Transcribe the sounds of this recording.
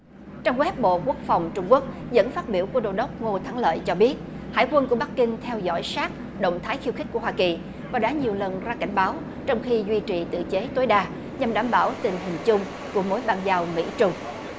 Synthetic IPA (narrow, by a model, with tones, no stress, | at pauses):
t͡ɕɔ˧wŋ͡mɣwɛ˦˥p̚ɓo̰˧˨ku˦˥ək̚fa˨˩wŋ͡mt͡ɕʊ˧ŋ͡mku˦˥ək̚ | zə̰˧˥nfaː˦˥t̚ɓi˧˩əwku˧˩əɗo̰˧˩ɗə˦˥wk͡p̚ŋo˧t̪ʰa˨˦ŋlə̰ː˧˨jt͡ɕɔ˧ɓi˦˥ət̚ | ha̰ː˧˩˨jkwə˧nku˧˩əɓa˦˥kːï˧ŋt̪ʰɛ˧wzɔ̰˧˥˩jsaː˦˥k̚ | ɗə̰˧˨wŋ͡mt̪ʰaː˨˦jxi˧wxi˦˥ku˧˩əɦwaː˧ki˨˩ | vaː˨˩ɗa̰ː˧˥ɲi˨˩əwlə˨˩nzaː˧ka̰˧˩jŋ̟ɓaː˨˦w | t͡ɕɔ˧wŋ͡mxi˧zwi˧t͡ɕḭ˨˩t̪ɨ̰˧˨t͡ɕe˨˦t̪o˨˦jɗaː˧ | ɲa˨˩mɗaː˧˩mɓaː˧˩wt̪ï˨˩ŋ̟ɦï˨˩ŋ̟t͡ɕʊ˧ŋ͡m | ku˧˩əmo˨˦jɓaː˧nzaː˧wmḭ˧˥t͡ɕʊ˧ŋ͡m